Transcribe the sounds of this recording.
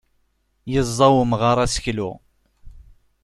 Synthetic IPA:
jəzˤːɑwəmʁəɾˤæsə̥çlu

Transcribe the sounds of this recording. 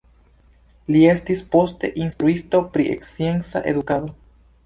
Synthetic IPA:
liest̪ispost̪eʔinst̪ɾuist̪opɾiʔḛksjensa̰ʔḛðukaðo

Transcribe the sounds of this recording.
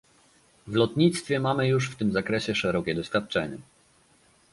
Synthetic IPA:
vlɔt̪ɲit̪st̪fʲjɛmamɘjuʂft̪ɘmzakɾɛɕɛʂɛɾɔkʲɛd̪ɔɕfʲjat̪̚t͡ʂɛɲɛ

